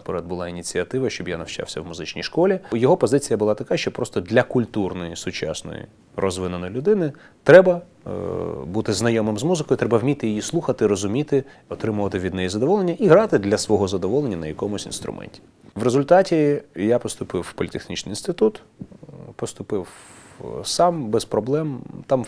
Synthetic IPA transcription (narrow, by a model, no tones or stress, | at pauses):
pɔɾɛd̪̚bʊlˠɑinʲit͡sʲiɐt̪ɪʋɐʃt͡ʃɔbjanɐwt͡ʃɑ̰wsʲɐwmʊzɪt͡ʃnʲḭjʃkɔlʲijɔɦɔpɔzɪt͡sʲijɐbʊlˠɑt̪ɐkaʃt͡ʃɔpɾɔst̪ɔd̪lʲɐkʊlʲt̪urnɔjisʊt͡ʃɑ̰snɔ̰jḭ | rɔzʋɪnonɔjlʲʊd̪ɪnɪ | t̪ɾɛbɐ | but̪ɪznɐjɔmɪmzmuzɪkɔjʊt̪ɾɛbɐwmʲit̪ɪjijislˠuxɐt̪ɪɾɔzʊmʲit̪ɪ | ɔt̪ɾɪmʊʋɐt̪ɪʋʲid̪nɛjizɐd̪ɔʋɔlˠenʲːɐʔiɦɾɑt̪ɪd̪lʲɐsʋɔɦɔzɐd̪ɔʋɔlˠenʲːɐnɐjɐkɔmʊsʲḭnst̪ɾʊ̰mʔɛ̰nʲtʲi̥ | ʋɾezʊlʲt̪ɑtʲijapɔst̪ʊpɪwpɔlʲt̪exnʲit͡ʃʲnɪ̰jinst̪ɪt̪ut̪ | pɔst̪ʊpɪw | sɑmbɛspɾɔblˠɛmt̪ɑm